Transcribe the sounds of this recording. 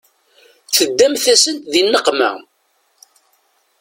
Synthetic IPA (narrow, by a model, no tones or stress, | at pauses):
θəd̪ːæmθæsənðinːəqmæ̰